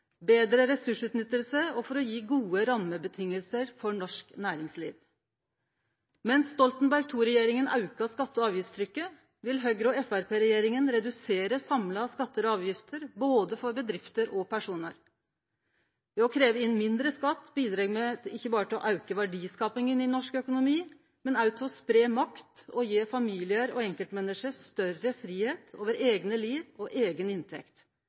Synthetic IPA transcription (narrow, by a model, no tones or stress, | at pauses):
beːd̪ɾəɾɛsʉʂʉːt̪nʏt̪ːəlsəɔfɔɾɔjiːɡuːəɾɑmːəbət̪ʰɪŋːəlsəɾfɔɳɔʂknæːɾɪŋsliːʋ | mɛnsːt̪ɔlt̪n̩bæɾɡ̚t̪ʰuːɾɛjeːɾɪŋənʔɑʉkɑskɑt̪ːəɑːʋjɪft̪st̪ʰɾʏkːə | ʋɪlɦœɡɾɔɛfæɾpʰeːɾɛjeːɾɪŋənɾɛd̪ʉseːɾəsɑmlɑskɑt̪ːəɾɑːʋjɪft̪ʰəɾboːd̪əfɔɾbəd̪ɾɪft̪əɾɔpʰæʂuːnə̰ɾ | ʋɛɔkʰɾeːʋəɪnmɪnd̪ɾəskɑt̪ːbiːd̪ɾɑɡmɛɪçːəbɑːɾət̪ɪlɔ̰ʔɑʉkəʋæɖiːskɑːpɪŋənɪnɔʂkœkʊnʊmiː | mɛnɑʉt̪ʰɔspɾeːmɑkt̪ɔjeːfɑmiːlɪəɾɔɛŋkəlt̪mɛnəʂəst̪œɾəfɾiːheːt̪ʰoːʋəɾeːɡnəliːʋɔʔeːɡənɪnt̪ʰɛ̰kt̪